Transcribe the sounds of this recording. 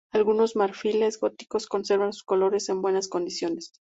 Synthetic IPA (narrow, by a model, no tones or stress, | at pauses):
alɣuno̞zmaɾfile̞zɣo̞t̪i̥ko̞sko̞nse̞ɾβansu̥sko̞lo̞ɾe̞se̞mbwe̞nasko̞nd̪isjo̞ne̞s